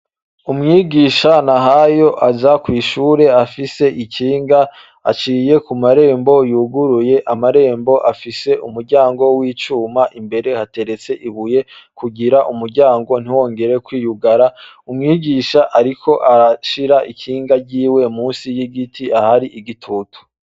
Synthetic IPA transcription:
umŋiːɡiːʃanaɦajo̞ʔazakwiːʃuːɾe̞afise̞ʔiciːŋɡaː | t͡ʃiːje̞kumaɾe̞ːmbo̞juːɡuɾuje̞ʔamaɾe̞ːmbo̞ʔafise̞umuɾɟaːŋɡo̞wiːt͡ʃuːmaʔimbe̞ɾe̞hate̞ɾe̞t͡se̞ʔiβuje̞kuɡiɾaʔumuɾɟaːŋɡo̞n̥iwo̞ːŋɡe̞ɾe̞kwiːjuɡaɾa | umŋiːɡiːʃaʔaɾikʰo̞ʔaɾaʃiɾaʔikʰiːŋɡaɟiːwe̞muːnsijiɡitʰiahaɾiʔiɡitʰutʰu̥

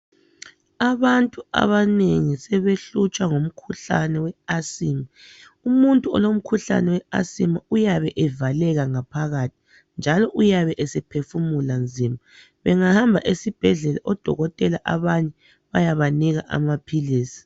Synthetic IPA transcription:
aβantʼua̰βaneŋisɛβeɬut͡ʃʼwaŋom̩kʰuɬa̰nɛwɛasiːma | umuntʼuɔ̰lom̩kʰuɬa̰nɛwɛa̰simaujaβɛʔɛvalɛɣaŋapʰaɣatʰi̥ | nd͡ʒʱalɔʔujaβɛʔɛsɛpʰefumuland͡zʱima | βɛŋahambʱaʔesib̥ʱɛɮɛla̰ʔɔd̥ʱɔ̰ɣɔtʼɛlaʔaβaɲɛ | βajaβaniɣaʔa̰mapʰiliːsi̥

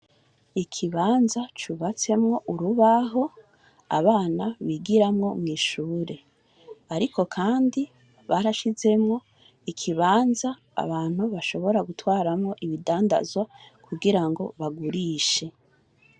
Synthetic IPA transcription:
ikʰiβaːnzat͡ʃuβat͡se̞mŋo̞ʔuɾuβaɦo̞ | a̰βaːnaβiɡiɾamŋo̞mŋiːʃuːɾe̞ | aɾikʰo̞kʰaːndi | βaɾaʃize̞mŋo̞ | ikʰiβaːnza̰ːβaːn̥huβaʃo̞βo̞ɾaɡutwaːɾamŋo̞ʔiβidaːnda̰zwakʰuɡiɾaŋɡo̞̰βaɡuɾiʃe̞

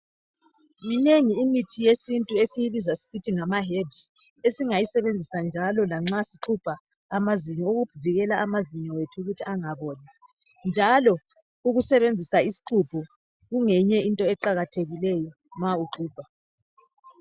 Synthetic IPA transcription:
mineŋiːmitʰijesintʼuesijiβizasi̥sitʰiŋamaɦebs | esiŋajisɛβend͡zʱisand͡ʒʱalɔlaŋ͡ǁasi̥ǁʰupʰaː | maziɲɔuɣub̥ʰʱuviɣɛlaʔamaziɲɔwetʰuːɣutʰiaŋaβɔːnɛ | nd͡ʒʱalɔ | uɣusɛβend͡zʱisaisi̥ǃʰupʰɔ | ɣuŋɛɲɛintʼɔɛǃaɣatʰeɣilɛjɔ | mauǁuːb̥ʱa

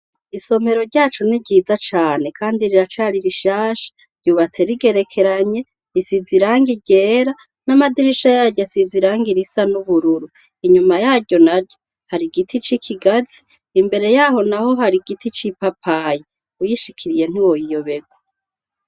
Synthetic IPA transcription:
iso̞me̞ɾo̞ɾɟaːt͡ʃuniɟiːzat͡ʃaːne̞kʰaːndiɾiɾat͡ʃaːɾiɾiʃaːʃḁ | ɾ̥ɟuβat͡se̞ɾiɡe̞ɾe̞kʰe̞ɾaɲe̞ | isiziɾaːŋɡiɟe̞ːɾa | namadiɾiʃajaɟasiziɾaːŋɡiɾisanuβuɾuɾu | iɲumajaːɾɟo̞naɾɟo | haɾiɡitʰit͡ʃikʰiɡazi̥ː | mbe̞ɾe̞jaːho̞naho̞ɦaɾiɡitit͡ʃipapʰaji | ujiʃikʰiɾije̞n̥uwo̞jijoβe̞ɡwa

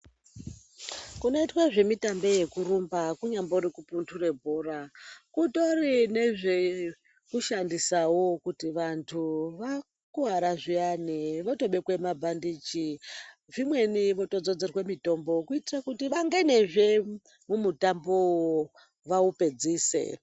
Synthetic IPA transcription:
kuno̞itwaʐe̞mitambeje̞kurumbakuɲamboɾikupuntʰure̞bʱorakuto̞rine̞ʐe | kuʃandisawokutiʋantʰuʋa | kuɦaɾaʐianeʋoto̞ɓe̞kwe̞mabʱandiːt͡ʃi | ʐimwe̞niʋo̞to̞d͡zo̞d͡ze̞rwe̞mito̞mbo̞kuitirakutiʋaŋɡene̞ʐe̞ | mumutambo | ʋaupe̞d͡ziːse̞̰

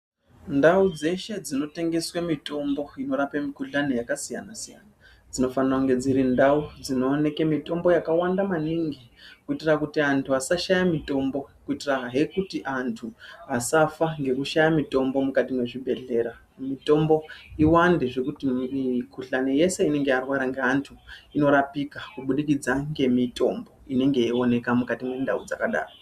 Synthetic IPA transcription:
ndaud͡ze̞ʃe̞d͡zino̞te̞ŋɡe̞swamito̞mbo̞ino̞ɾapamikuɮane̞jakasija̰nasija̰na | d͡zino̞faniraŋɡe̞d͡ziɾindaud͡zino̞ːne̞kemito̞mbo̞jakawandamaniŋɡikuitirakutiantʰuasaʃajamito̞mbo̞kuitiraɦe̞kutiʔantʰuasafaŋɡe̞kuʃajamito̞mbo̞mukatimwe̞ʐibʱe̞ɮe̞ɾa | mito̞mbo̞iwandeʐe̞kutiikuɬane̞je̞se̞ine̞ŋɡearwaɾaŋɡeantʰuino̞ɾapikakuɓuɗikid͡zaŋɡe̞mito̞mbo̞ine̞ŋɡe̞io̞ne̞kamukatimwe̞ndaud͡zakaɗa̰ːro

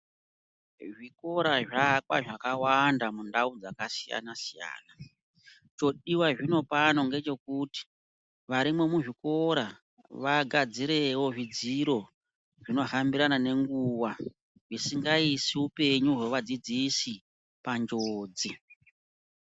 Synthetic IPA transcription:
ʐiko̞ɾaʐak̚wa̰ʐakawandamundaud͡zakasija̰nasija̰ːna | t͡ʃo̞ɗiwaʐino̞pano̞ŋɡe̞t͡ʃe̞kuti̥ | ʋaɾimwe̞muʐiko̞ɾa | ʋaɡʱad͡ziɾewo̞ʐid͡ziɾo̞ | ʐino̞ɦambiɾanane̞ŋɡuːwa | ʐisiŋɡaisiupe̞ɲuɦwe̞ʋad͡zid͡zisi | pand͡ʒoːd͡zi

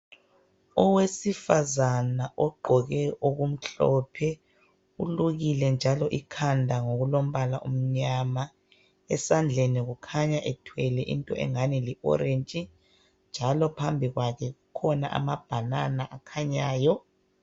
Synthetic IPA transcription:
ɔwesifazanaʔɔɡ͡ǃʱɔɣɛʔoɣum̩ɬɔpʰɛ | uluɣilɛnd͡ʒʱalɔʔikʰandʱaŋoɣulom̩βalaʔum̩ɲama | ɛsand͡ɮʱeniɣukʰaɲaʔɛtʰwɛlɛʔḭntʼɔ̰ʔɛ̰ŋaniliʔɔ̰ɾent͡ʃʼi | nd͡ʒʱalɔpʰambʱiɣwakʰɛɣukʰɔna̰ʔa̰mab̥ʱananaʔakʰaɲaːjɔ

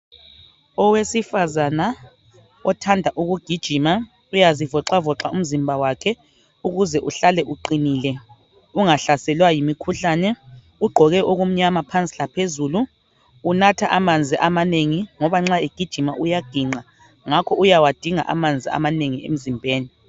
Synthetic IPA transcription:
ɔwesifazana | ɔtʰandʱaʔuɣuɡ̥ʱid̥ʒ̥ʱima | ujazivɔǁavɔǁaʔum̩zimbʱawakʰɛ | uɣuzɛʔuɬalɛʔuǃiniːlɛ | uŋaɬasɛlwajimikʰuɬaːnɛ | uɡ͡ǃʱɔɣɛʔoɣum̩ɲamapʰant͡sʼilapʰezuluː | natʰaʔamand͡zʱiʔamaneŋiŋɔβaŋ͡ǁaiɡ̥ʱid̥ʒ̥ʱimaʔujaɡ̥ʱiŋ͡ǀa | ŋakʰɔʔujawad̥ʱiŋa̰ʔa̰mand͡zʱia̰maneŋiḛm̩zimbʱeːni

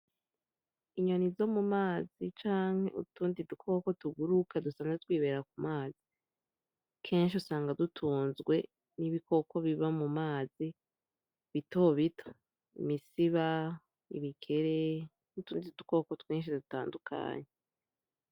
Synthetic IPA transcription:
iɲonizo̞mumaːzit͡ʃaːŋhe̞̰ṵtuːndidukʰo̞ːko̞tuɡuɾukadusaːŋatwiːβe̞ɾakumaːzi | kʰe̞ːnʃ̬iusaːŋɡadutʰuːnzɡwe̞ | niβiko̞ko̞βiβamumaːzi | βito̞βitʰo | ḭmisiβa | ḭβikʰe̞ɾe | utuːndiduko̞kotweːnʃ̬iduta̰ːndukʰa̰ːɲe

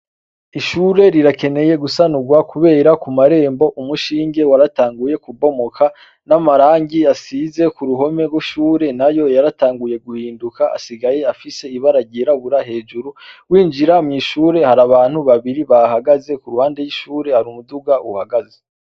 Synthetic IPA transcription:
iʃuɾe̞ɾiɾake̞ne̞je̞ɡusanuɡwakuβe̞ːɾakumaɾe̞ːmbo̞ʔumuʃiːŋɡe̞waɾataːŋɡuje̞kubo̞mo̞kʰa | namaɾaːŋɡiasize̞kuɾuɦo̞me̞ɡwiʃuːɾe̞najo̞jaɾataːŋɡuje̞ɡuhiːndukaa̰siɡaje̞afise̞iβaɾaɟiɾaβuɾahe̞ːd͡ʒuɾuwiːnd͡ʒiɾamŋiːʃuːɾe̞haɾaβaːn̥huβaβiɾiβahaɡaze̞kuɾuhaːnde̞jiʃuːɾe̞haɾumuduɡauhaɡaze

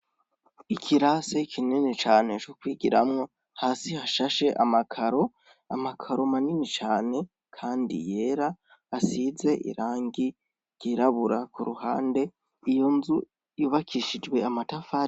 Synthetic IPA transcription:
ikʰiɾasekʰinenet͡ʃaːne̞t͡ʃokwiːɡiɾamŋo̞ | haːsihaʃaʃe̞ʔa̰makʰaɾo̞ | a̰makʰaɾo̞maninit͡ʃaːne̞ | kʰaːndḭje̞ːɾaː | size̞ʔḭɾaːŋɡi | ɾj̥iɾaβuɾakuɾuhaːnde̞ | ijonzu | juːβakʰiʃid͡ʒɡwe̞amatafaː

